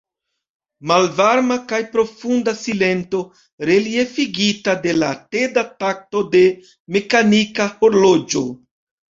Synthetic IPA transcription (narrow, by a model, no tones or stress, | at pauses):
malvaɾmakajpɾo̞fundasile̞nto̞ | ɾe̞lie̞fiɡitade̞late̞datak̚to̞de̞ | me̞kanikaho̞ɾlo̞d͡ʒo̞